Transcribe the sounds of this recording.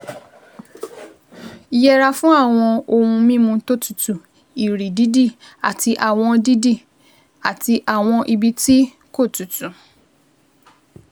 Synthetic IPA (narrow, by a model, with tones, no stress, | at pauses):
i˧jɛ˦ɾa˧fũ˦a˦˨w̃ɔ̃˧o˧hũ˧mĩ˦mũ˧to˦˨tu̥˨tu˨ | i˨ɾi˨di˦di˦˨ | a̰˨ti˧ʔa˨w̃ɔ̃˧di˦di˦˨ | a˨ti˧ʔa˨w̃ɔ̃˧ʔi˧bi˧ti˦ | ko˦˨tu˨tũ˨